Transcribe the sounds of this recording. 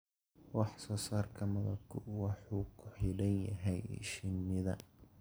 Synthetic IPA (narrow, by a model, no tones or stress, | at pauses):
wɑħsɔːsaːrkʰɐmɐðɐbkʰʊwɑħuːkʰʊħɪlɐnjɐɦɛjʃɪnːɪðɐ